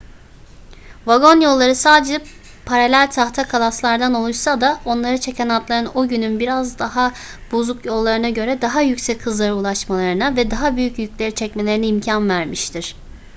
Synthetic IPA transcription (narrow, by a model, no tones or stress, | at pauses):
vaɡo̞njo̞lˠːaɾɯsaːd̪ed͡ʒɛ | pʰaɾalʲælʲt̪ʰaxt̪ʰakʰalˠaslˠaɾd̪ano̞lˠuʃsad̪ao̞nlˠaɾɯt͡ʃʰecʰɛnat̪lˠaɾɯnoɟynynbiɾazd̪aɦa | b̥ozukʰjo̞lˠːaɾɯnaɟø̞ɾɛd̪aɦajycsɛcʰːɯzlˠaɾɯulˠaʃmalˠaɾɯnavɛd̪aɦabyjycjycʲlʲe̞ɾit͡ʃʰɛc̚me̞lʲe̞ɾinɛimcʰanvæɾmiʃt̪ʰiɾ̥